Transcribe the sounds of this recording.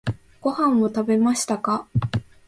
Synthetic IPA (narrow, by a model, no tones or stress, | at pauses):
ɡ̥o̞hãɰ̃ːot̪abe̞maɕi̥t̪aka